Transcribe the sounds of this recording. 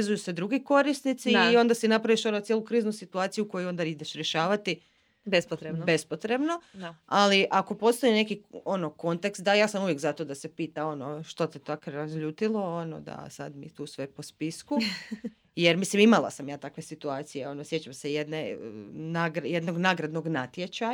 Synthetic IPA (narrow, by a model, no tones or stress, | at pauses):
zujused̪ɾuɡiko̞ɾisnit̪siːo̞nd̪asinapɾaʋiʃo̞not̪jelukɾiːznusit̪uaːt̪sijuko̞juo̞nd̪aid̪et͡ʃɾjeʃaːʋat̪i | bspt̪ɾebe̞spo̞t̪ɾe̞bno̞aliʔako̞po̞st̪oine̞kio̞no̞ko̞nt̪e̞kst̪̚d̪ajaːsamuʋjekzat̪o̞d̪ase̞piːt̪ao̞no̞ʃt̪ot̪it̪okɾazʎuːt̪ilˠo̞ono̰d̪a̰sa̰d̪mḭt̪uːsʋe̞po̞spisku | jeɾmislimimalˠa̰samjaːt̪akʋe̞sit̪uaːt̪sije̞o̞nosje̞t͡ɕamse̞jed̪nenaːɡɾjed̪no̞ɡnaːɡɾad̪no̞ɡnat̪jet͡ɕa